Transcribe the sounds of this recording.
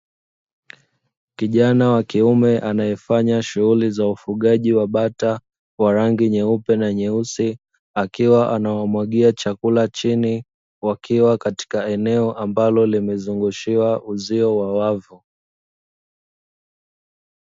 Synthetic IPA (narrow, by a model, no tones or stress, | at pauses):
kiʄanawakiumɛʔanajɛfaɲaʃuɣulizaufuɠaʄiwaɓata | waɾaŋɡiɲɛupɛnaɲɛusi | akiwaʔanawamwaɠiat͡ʃakulat͡ʃini | wakiwakati̥kaɛnɛɔʔambalɔlimɛzuŋɡuʃiwaʔuziɔwawavu